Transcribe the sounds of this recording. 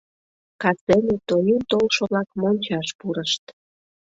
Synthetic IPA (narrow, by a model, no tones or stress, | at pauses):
kɑsenet̪ojunt̪olʃoβlɑkmonʲt͡ɕɑʃpuɾəʃt̪